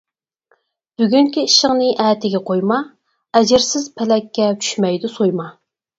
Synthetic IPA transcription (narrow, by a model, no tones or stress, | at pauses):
b̥yɡʲyŋkʲiiʃəŋnɨʔɛːt̪ʰɪɡʲɛqʰojmɑ | ɛd͡ʒɪɾsɪz̥pʰɪlɛkʲʰːɛt͡ʃʰy̥ʃmɛjd̪usojmɑ